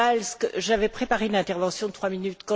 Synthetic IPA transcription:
alskʒavɛpχepaʁeynɛ̃t̪ɛʁvɑ̃sjɔ̃d̪ət̪χwaminyt̪kɑ̃

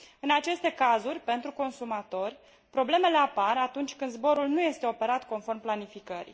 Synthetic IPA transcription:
ɨnat͡ʃe̞st̪e̞kazurʲpe̞nt̪ɾuko̞nsumat̪o̞rʲ | pɾo̞ble̞me̞le̞aparat̪unt͡ʃʲkɨnd̪zbo̞ɾulnuje̞st̪eo̞pe̞ɾat̪ko̞nfo̞rmplanifikəɾḭ

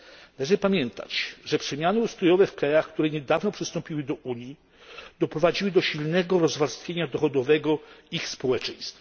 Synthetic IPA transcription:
naɛʐɛpamʲjɛnt̪a̰t͡ɕʐɛpʂɛmʲjanɘust̪ɾɔjɔvɛfkɾajaxkt̪uɾɛɲɛd̪avnɔpʂɘst̪ɔ̃mpʲiwɘd̪ɔʔuɲji | d̪̥ɔpɾɔvad͡ʑiwɘd̪ɔɕilnɛɡɔɾɔzvaɾst̪fʲjeɲad̪ɔxɔd̪ɔvɛɡɔixspɔwɛt͡ʂɛj̃st̪fa

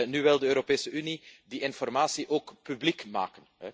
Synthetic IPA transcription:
nyʋɛlˠdəøːɾopeːsəynidiʔɪnfɔrmaːsiʔoːkpyblikma̰ːkənɛ

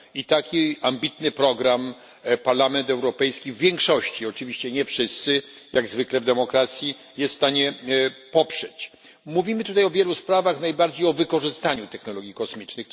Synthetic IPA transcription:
it̪akʲiambʲit̪nɘpɾɔɡɾam | paɾlamɛnt̪ɛwɾɔpɛjskʲivːʲjɛŋkʂɔɕt͡ɕiɔt͡ʂɘvʲiɕt͡ɕɛɲɛfʂɘst̪sɘ | jaɡzvɘklɛvd̪ɛmɔkɾat̪sʲji | jɛst̪st̪aɲɛpɔpʂɛt͡ɕ | muvʲimɘt̪ut̪ajɔvʲjɛluspɾavaxnajbaɾd͡ʑejɔvɘkɔʐɘst̪aɲut̪ɛxnɔlɔɡʲjikɔsmʲit͡ʂnɘx

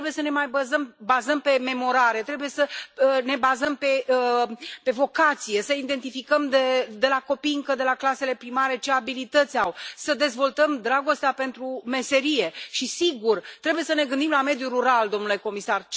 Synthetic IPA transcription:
ɾebuje̞səne̞majbəzəmbazəmpe̞me̞mo̞ɾaɾe̞t̪ɾe̞buje̞səne̞bazəmpe̞ | pe̞vo̞kat̪sije̞səid̪e̞nt̪ifikəmd̪ed̪e̞lako̞piŋkəd̪e̞laklase̞le̞pɾimaɾe̞t͡ʃe̞abilit̪ət̪sʲawsəd̪e̞zvo̞lt̪əmd̪ɾaɡo̞st̪eape̞nt̪ɾume̞se̞ɾije̞ʃisiɡurt̪ɾe̞buje̞səne̞ɡɨnd̪imlame̞d̪juruɾald̪o̞mnule̞ko̞misar

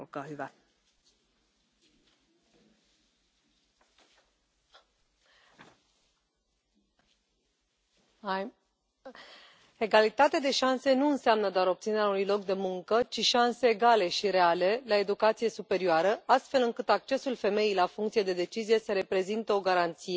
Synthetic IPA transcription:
kaida | e̞ɡalit̪at̪ead̪e̞ʃanse̞nuɨnseamnəd̪oaɾo̞p̚t̪sine̞ɾʲaunujlo̞k̚d̪e̞muŋkət͡ʃiʃanse̞ːɡale̞ʃiɾe̞ale̞lae̞d̪ukat̪sije̞supe̞ɾioaɾəast̪fe̞lɨŋkɨt̪ak̚t͡ʃe̞sulfe̞me̞jijlafuŋkt̪sije̞d̪e̞d̪e̞t͡ʃizije̞səɾe̞pɾe̞zint̪əo̞ɡaɾant̪sije̞

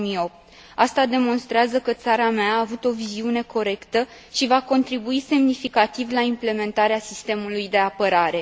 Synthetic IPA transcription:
mio̞p̚t̪ | ast̪ad̪e̞mo̞nst̪ɾeazəkət̪saɾameaːvut̪o̞viziune̞ko̞ɾe̞kt̪ə | ʃivako̞nt̪ɾibuise̞mnifikat̪ivlaimple̞me̞nt̪aɾeasist̪e̞mulujd̪e̞apəɾaɾe̞

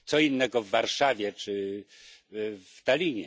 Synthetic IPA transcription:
t̪sɔinːɛɡɔvːaɾʂavʲjɛt͡ʂɘ | ft̪alʲiɲɛ

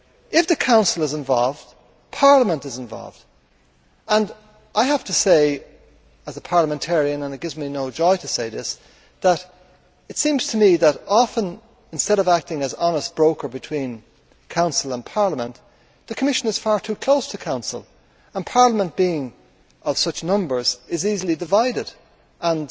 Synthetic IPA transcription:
ɪfðəkʰãʊ̃nsl̩ˠəzɪ̃ɱvɔ̰lˠvd̥ | pʰɑɹləmə̃ntɨzɪ̃ɱvɔ̰lˠvd̥ | ə̃n | ʔaɪhaftəseɪ | əzəpʰɑɹləmɛ̃ntʰɛɹiɨ̃nə̃nɨt̚ɡ̥ɪvzminoʊd͡ʒɔɪɾəseɪðɪs | ðəɾ | ɨtsĩːmz̥tʰəmiðəɾɑfə̃n | ɨ̃nstɛɾʌvak̚tɪ̃ŋəzɑnəst̚b̥ɹoʊkə˞bɨtʰw̥ĩn | kʰãʊ̃nsəl̩ˠə̃npʰɑɹləmə̰̃n | ðɨkʰəmɪʃə̃nɨz̥faɹtʰʉkʰl̥oʊstʰəkʰãʊ̃nsə̰l̩ˠ | ə̃npʰɑɹləmə̃nb̥iɪ̃ŋ | ʔʌv̥sʌt͡ʃnʌ̃mbə˞zɪzizl̩ˠidɨvaɪɾɪd | ʔə̃n

